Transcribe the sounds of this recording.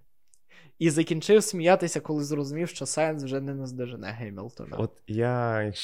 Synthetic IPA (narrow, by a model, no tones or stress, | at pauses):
izɐkʲint͡ʃɪwsʲmʲijɑt̪ɪsʲɐkɔlˠɪzrɔzʊmʲiwʃt͡ʃɔsɑjnswʒɛnɛnɛzd̪ɛʒɪnɛ̰ɦɛjmʲḭlˠt̪ɔ̰nɐ̰ɔt̪jajak